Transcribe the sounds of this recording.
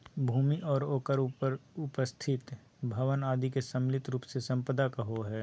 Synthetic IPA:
bʱuːmiʔɔːɾoːkəɾəɾʊpəst̪ʰɪt̪ | bʱəʋənaːd̪ikesə̃mlɪt̪ɾuːpsesɐ̃mpəd̪akaɦoɦɛː

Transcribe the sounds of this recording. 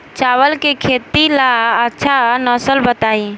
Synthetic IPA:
t͡ʃawəlkekʰet̪ilaətːʃʰanəsəlbət̪ai

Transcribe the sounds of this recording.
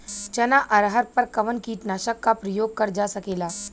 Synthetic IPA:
t͡ɕənaʔəɾɦəɾpəɾkəʋənkiːʈnaɕəkːapɾəjoɡ̚kəɾd͡ʒasəkela

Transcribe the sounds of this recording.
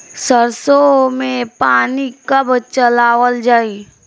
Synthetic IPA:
səɾsomẽpaːnikəbt͡ʃəlaːʋəld͡ʒaːi

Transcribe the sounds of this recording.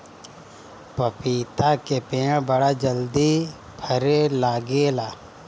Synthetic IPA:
pəpiːt̪akepeːãbəɽad͡ʒəld̪i | bʰʱəɾelaːɡelaː

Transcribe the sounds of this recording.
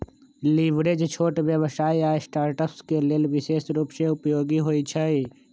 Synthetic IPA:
liʋɾed͡ʒt͡ʃʰoːʈʋjəʋsaːiaːesʈaːɾʈəpskeleːlʋɪseːsɾuːpʃeʊpjoːɡiɦoːit͡ʃʰəi

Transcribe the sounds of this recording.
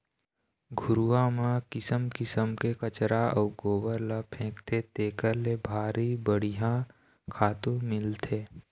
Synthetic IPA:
ɡʱʊɾuːamãkɪsəmkɪsəmkekət͡ʃɾaɔːɡoːbəɾlapʰẽːkt̪ʰet̪eːkəɾlebʱaːɾibəɽ̤ijã | kʰaːt̪ũmɪlt̪ʰeː

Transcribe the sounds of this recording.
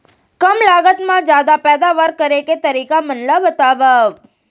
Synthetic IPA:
kəmlaːɡət̪mãd͡ʒjaːd̪apɛːd̪aʋəɾkəɾeket̪əɾiːkamənlabət̪aʋəʋ

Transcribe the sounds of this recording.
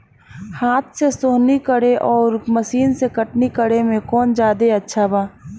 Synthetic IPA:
haːt̪̚ʰsesoːɦnikəɽeʔɔːɾməsiːnsekəʈnikəɽemẽkɔːnd͡ʒaːd̪eɐtːʃʰabaː

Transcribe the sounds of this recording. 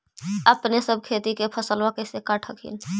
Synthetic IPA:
əpnesəb̚ʱkʰet̪ikepʰəsəlʋakəsekaʈʰəkʰḭn

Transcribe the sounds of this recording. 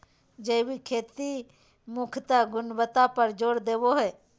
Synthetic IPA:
d͡ʒeːwikʰeːt̪i | mʊkʰt̪aɡʊnbət̪apəɾd͡ʒoːɽd̪eːʋoɦɛː

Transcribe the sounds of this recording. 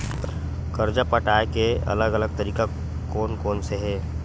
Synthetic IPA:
kəɾd͡ʒapəʈaːekeɐ̰ləɡələɡ̚t̪əɾiːka | koːnkoːnseɦɛː

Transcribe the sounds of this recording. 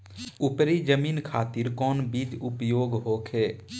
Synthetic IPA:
ʊpɾid͡ʒəmiːnkʰaːt̪iɾkɔːnbiːd͡ʒʊpjoːɡɦoːkʰeː

